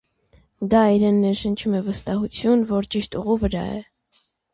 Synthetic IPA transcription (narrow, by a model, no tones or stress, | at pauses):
d̪ɑiɾɛnːɛɾʃənt͡ʃʰumɛvəst̪ɑhut͡sʰjunvɔɾt͡ʃiʃt̪uʁuvəɾɑ̰ɛ̰